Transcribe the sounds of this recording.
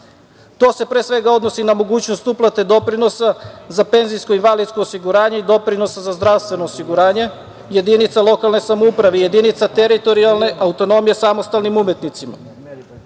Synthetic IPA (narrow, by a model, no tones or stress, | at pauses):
t̪o̞ːse̞pɾesʋe̞ɡao̞d̪no̞sinamo̞ɡuːt͡ɕnost̪uplˠat̪e̞d̪o̞pɾino̞sazape̞nzijsko̞inʋalid̪sko̞ːsiɡuɾaːɲe̞id̪o̞pɾino̞sazazd̪ɾaʋst̪ʋe̞no̞ːsiɡuɾaːɲe̞ | je̞d̪init̪salˠo̞kalˠne̞samoupɾaʋe̞je̞d̪init̪sat̪e̞ɾit̪o̞ɾialne̞ʔaut̪o̞no̞mije̞samo̞st̪alnimume̞t̪nit̪sima̰